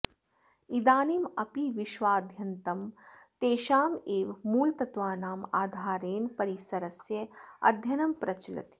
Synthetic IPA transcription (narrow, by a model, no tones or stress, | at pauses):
id̪aːnimɐpiʋiʃʋaːd̪ʱjɐnt̪ɐmt̪eːʃaːmeːʋmuːlt̪ɐt̪ʋaːnaːmaːd̪ʱaːɾeːnpɐɾisɐɾɐsjɐɐ̰d̪ʱjɐnɐmpɾɐt͡ʃilɐ̰t̪